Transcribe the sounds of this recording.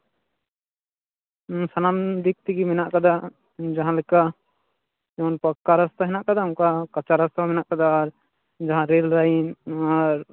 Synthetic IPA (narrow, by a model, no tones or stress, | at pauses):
sanamd̪ik̚t̪iɡimɛnaʔkad̪a | d͡ʒaɦãlɛka | ɛwnpəkːaɾast̪aɦɛnaʔkad̪auŋkakat͡ʃaɾast̪amɛnaʔkad̪aːɾ | d͡ʒaɦãɾelɾainaɾ